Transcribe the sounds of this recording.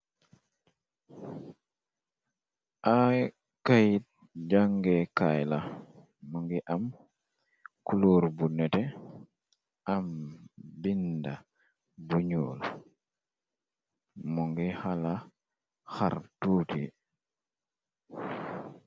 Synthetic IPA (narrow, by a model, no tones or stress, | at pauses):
ʔa | kajit̚ | d͡ʒaŋɡɛkajla | muŋɡiʔam | kuluːɾbunɛtɛ | ambinda | buɲoːl | muŋɡihala | xa̰ɾtuti